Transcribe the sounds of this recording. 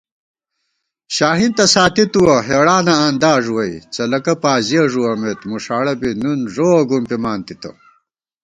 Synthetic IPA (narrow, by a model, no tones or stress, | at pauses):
ɕaːɦint̪ɐsaːt̪it̪uwɐɦeːɽaːnɐɐnd̪aːʐuwɐit͡sɐlɐkɐpaːzijɐʐuwɐmet̪muʂaːɽɐbinunʐoːɡumpimaːnt̪it̪ɐ̰